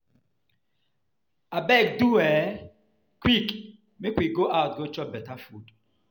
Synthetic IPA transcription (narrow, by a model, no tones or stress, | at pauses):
abɛk̚duɛ | kʰwik | mekwiɡoʔaʊt̚ɡot͡ʃɔbɛtʰafut